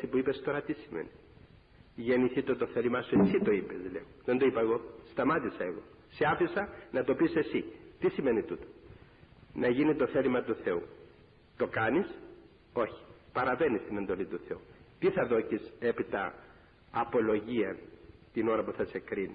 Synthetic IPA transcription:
sipuipest̪o̞ɾɐt̪isimḛni | ʝe̞niθit̪ot̪o̞θelimɐsuesit̪o̞ipezleoðend̪oipɐeɣo̞st̪ɐmɐt̪isɐe̞ɣo̞̰ | seɐfisɐnɐt̪o̞pise̞sit̪isime̞nit̪ut̪o̥ | nɐʝinit̪o̞θe̞limɐt̪uθe̞u | t̪o̞kɐnis | o̞çi̥pɐɾɐve̞nist̪ine̞nd̪o̞lit̪uθe̞ut̪iθɐðo̞cise̞pit̪ɐ̰ː | po̞lo̞ʝiɐnt̪ino̞ɾɐpuθɐse̞kɾini

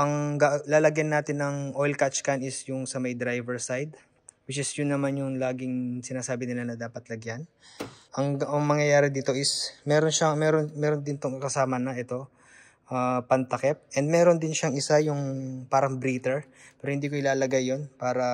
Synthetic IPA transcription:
ʔɐŋɡalaːlɐɡjɐnːaːt̪ɪnːɐŋʔojlkat͡ʃkanɪsjʊŋsɐmɐjd̪ɾajvɛɹsajd̪̚ | wɪt͡ʃɪsjʊnːɐmanjʊŋlaːɡɪŋsɪnaːsaːbɪnɪlanɐd̪aːpɐt̪lɐɡjan | ʔɐŋʔɐŋmɐŋjɐjaːɾɪd̪iːt̪o̞ʔɪsmɛːɾonʃɐŋmɛɾonmɛːɾond̪ɪnt̪oŋkɐsaːmɐnɐʔɛt̪o̞ | ʔapɐnt̪ɐkɛp̚ʔɛnd̪̚mɛːɾo̞nd̪ɪnʃɐŋɪsajʊŋpaːɾɐŋbɾiːt̪ɛɹ | pɛːɾohɪnd̪iːkoɪlaːlɐɡajːonpaːɾɐ

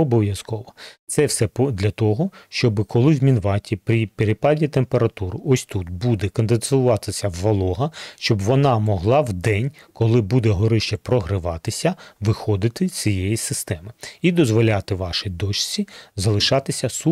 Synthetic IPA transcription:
ɔbɔʋʲjɐskɔʋɔt̪sɛwsɛpd̪lʲɐt̪ɔɦɔʃt͡ʃɔbɪkɔlˠɪwmʲinʋɑtʲipɾʲipeɾɪpɑdʲit̪empeɾɐt̪uɾɔsʲt̪ut̪bud̪ɛkɐnd̪ensʊʋɑt̪ɪsʲɐʋːɐlˠɔɦɐʃt͡ʃɔbʋɔnɑmɔɦlˠɑwd̪ɛnʲ | kɔlˠɪbud̪ɛɦɔɾɪʃt͡ʃɛpɾɔɦɾɪʋɑt̪ɪsʲɐʋɪxɔd̪ɪt̪ɪ̥t͡sʲijejisɪst̪ɛmɪid̪ɔzʋɔlʲɑt̪ɪʋɑʃɪd̪ɔt͡ʃt͡sʲizɐlˠɪʃɑt̪ɪsʲɐsu

